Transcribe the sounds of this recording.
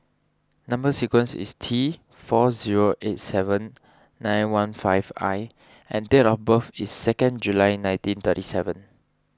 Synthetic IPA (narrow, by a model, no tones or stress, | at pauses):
nãmbəsikwɛ̃nsḭstʰi | fɔziɹoʔet̚sɛvə̃nː | ãj̃nwãnfaɪva̰j | ʔɛ̃ndɛtɔfbəfisːɛkə̃nd͡ʒulaɪnãj̃ntĩnt̪ətisɛvə̃n